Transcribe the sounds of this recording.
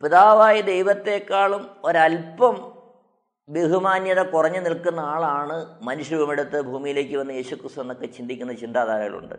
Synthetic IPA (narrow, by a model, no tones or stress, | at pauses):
piðaːʋaːjid̪e̞jʋɐt̪ːe̞ːkːaːɭumo̞ɾɐlpɐm | ʋeɦumaːnjɐðɐkurɐɲːɨnilkunːɐaːɭaːɳɨmɐnuɕɾubɐmeɽut̪ːɨbʱuːmijile̞ːkʲːɨʋɐnːɨjeːɕukrist̪unenːokːe̞t͡ɕind̪ikʲːunːɐt͡ɕind̪aːd̪ʱaːɾɐŋːɐɭṵɳɖɨ̰